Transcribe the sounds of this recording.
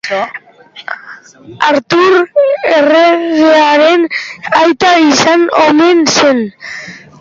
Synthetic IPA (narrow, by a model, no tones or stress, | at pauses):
aɾt̪uɾereɣeaɾe̞najt̪aisanomense̞n